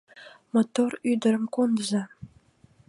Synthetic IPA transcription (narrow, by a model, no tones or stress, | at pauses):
mot̪oryd̪ə̆ɾə̆mkond̪əzɑ